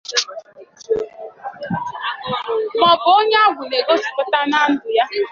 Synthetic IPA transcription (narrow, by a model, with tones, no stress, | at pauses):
mɔ˨bʊ˨o˦ɲ˦a˦ɦʷʊ˨ne˨ɡo˦su̥˨pʊ˦ta˦na˦n̩˦dʊ˨ja˦